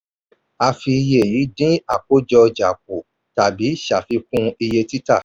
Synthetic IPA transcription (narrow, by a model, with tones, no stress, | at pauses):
a˧fi˧je˨ji˨˦dĩ˦a˦˨k͡po˦d͡ʒɔ˧d͡ʒa˨k̚o˨ | ta˨bi˨˦ʃa˨fi˧kũ˦i˧je˧ti˦ta̰˦˨